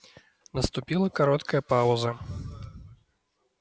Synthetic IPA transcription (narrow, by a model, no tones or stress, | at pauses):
nɐst̪upʲilˠɐkaɾɔt̪kɐjɐpawzɐ